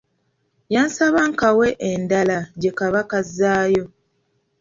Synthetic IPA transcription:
jaːnsaβaːŋkawe̞ʔendalaɟe̞kaβakazːaːjo̞

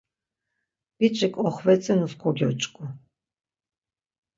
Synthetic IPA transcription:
b̥it͡ʃʼikʼɔχvɛt͡sʼɛnuskʰɔɡʲɔt͡ʃʼkʼʊ

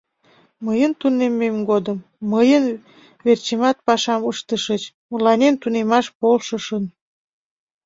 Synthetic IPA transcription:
məjənt̪unemːemɡod̪əmː | əjən | vert͡ɕemɑt̪̚pɑʃɑməʃt̪əʃət͡ɕ | mulɑnʲent̪unemɑʃpolʃəʃən

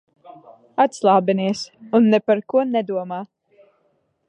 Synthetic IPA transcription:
at̪slˠaːbɛniɛsunːɛpaɾkuɔnɛd̪uɔmaː

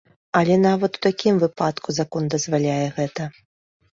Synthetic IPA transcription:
ɐlʲɛnavɐt̪u̥t̪akʲimvɨpat̪kuzakɔnd̪ɐzvalʲajɛɣɛt̪ɐ

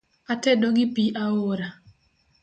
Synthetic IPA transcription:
atɛdoɡɪpiʔaoɾa

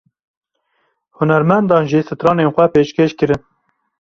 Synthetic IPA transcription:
hʊnɛɾmɛnd̪ɑːnʒisɨt̪ɾɑːneːnxʷɛpeːʃkeːʃkɨɾɨn

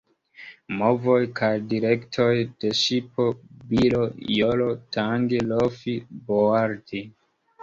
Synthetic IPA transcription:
mo̞vo̞jkʰajdiɾektʰojd̥e̞ʃipo̞bilojolotʰaŋɡilofiboaɾdi

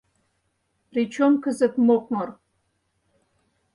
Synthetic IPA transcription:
rit͡ʃʰomkʰɨzɐpmoqʷʼmɐr

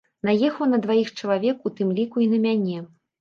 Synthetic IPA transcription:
najɛxɐwnɐd̪vajixt͡ʂɐlˠavʲɛkut̪ɨmlʲikuinɐmʲanʲɛ

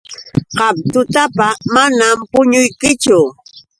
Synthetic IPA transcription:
qɑm̚t̪ʊt̪apamanampʊɲʊjkɪt͡ʃʊ

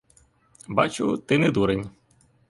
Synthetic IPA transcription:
bɑ̰t͡ʃʊt̪ɪnɛd̪uɾenʲ

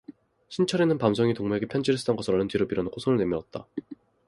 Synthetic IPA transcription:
ɕʰint͡ɕʰʌɾenɯnpams̬ʰoŋitoŋmeɡepʰjʌnɲd͡ʑiɾes͈ʰɯ̥t͈ʌnɡʌsʰɾʌɭːɯntiɾopiɾʌnɯkʰosʰoŋɯɭne̞mjʌʌt̚t͈a

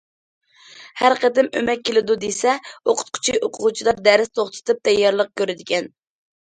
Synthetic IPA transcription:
hæɾqəd̪ɪmø̰mɛk̚ʲʰːelɪd̪ud̪esɛoqʰʊ̥t̪̚qʰʊ̥t͡ʃʰioqʰʊʁut͡ʃʰid̪ɑɾd̪æɾɪst̪ʰoχt̪ʰɨ̥t̪ʰɨp̚t̪ʰɛjːɑɾlˠəq̚kʲøɾɪd̪ɪɡʲɛn

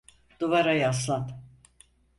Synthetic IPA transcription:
d̪̥uvaɾajas̬lˠan

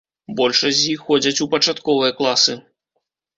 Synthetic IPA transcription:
bɔlʲʂɐzʲjixːɔd͡zʲɐt͡sʲupɐt͡ʂat̪kɔvɨjɐklˠasɨ

